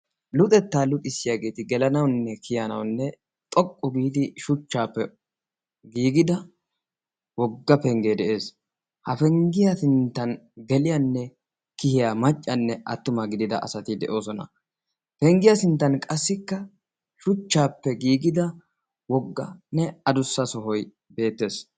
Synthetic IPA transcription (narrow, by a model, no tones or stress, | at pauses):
lʊt̪ʼɛt̪ːaːlʊt̪ʼɪsːɪjaːɡe̞ːt̪ɪɡɛlɐnɐwnːɛkʰɪjɐnɐ̰wnːɛ | t̪ʼɔkʼːɔɡiːd̪ɪʃʊt͡ʃːaːpːɛ | ɡiːɡɪd̪ɐ | wɔɡːɐpɛŋɡeːd̪ɛʔe̞ːs | hɐfɛŋɡɪjasɪnt̪ːɐnɡɛlɪjɐnːɛ | kɪhɪjamɐt͡ʃʼːɐnːɛʔɐ̰t̪ːʊmɐɡɪd̪ɪd̪ɐ̰ʔɐ̰sɐt̪ɪd̪ɛʔo̞ːsɔnɐ̰ | pɛŋɡɪjasɪnt̪ːɐnkʼɐsːɪkːɐ | ʃʊt͡ʃːaːpːɛɡiːɡɪd̪ɐ | wɔɡːɐnɛɐd̪ʊsːɐsɔɦɔj | be̞ːt̪ːe̞ːs